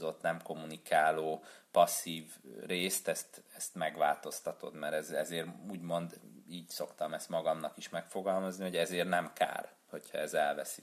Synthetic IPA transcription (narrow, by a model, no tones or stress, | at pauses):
zot̪nɛmko̞mːunikʰaːloːpɒsːiːvreːst̪ɛst̪ɛst̪mɛɡʋa̰ːlt̪o̞st̪ɒt̪o̞̰d̪mɛɾɛzɛzeːruːɟmo̞nd̪iːɟso̞kt̪ɒmɛst̪mɒɡɒmnɒkiʃmɛkfo̞ɡɒlmɒzniho̞ɟɛzeːrnɛmka̰ːr | ho̞cʰhɒ̰ɛzɛlvɛsi